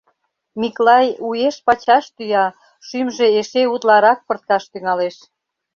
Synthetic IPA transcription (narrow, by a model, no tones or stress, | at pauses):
miklɑjueʃpɑt͡ɕɑʃt̪yjɑ | ʃymʒeeʃeut̪lɑɾɑk̚pə̆rt̪̚kɑʃt̪yŋɑleʃ